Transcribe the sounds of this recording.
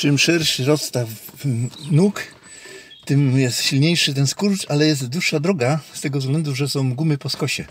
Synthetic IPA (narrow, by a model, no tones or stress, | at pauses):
t͡ʂɘmʂɛɾɕɾɔst̪af | nuk | t̪ɘmjɛst̪ɕilɲejʂɘt̪̬ɛnskuɾtalɛjɛs̬t̪d̪wuʂːad̪ɾɔɡast̪ɛɡɔvzɡlɛnd̪uʐɛsɔ̃w̃ɡumɘpɔskɔɕɛ